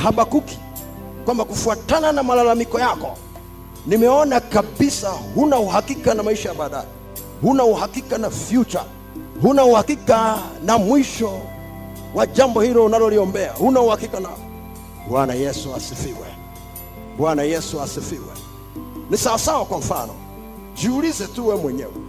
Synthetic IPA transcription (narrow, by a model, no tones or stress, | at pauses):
haɓakuki̥ | kwambakufuatananamalalamikɔjakɔ | nimɛɔnakaɓisahunauhakikanamaiʃajaɓaːɗajɛ | hunauhakikanafjut͡ʃa̰ | hunauhakikanamwiʃɔ | wad͡ʒambɔhilɔunalɔliɔmbɛa̰hunauhakikana | ɓwanajɛsuasifiwɛ̰ | ɓwanajɛsuasifiwɛ̰ | nisawasawakwam̩fanɔ̰ | d͡ʒiulizɛtuwɛmwɛɲɛ̰wɛ̰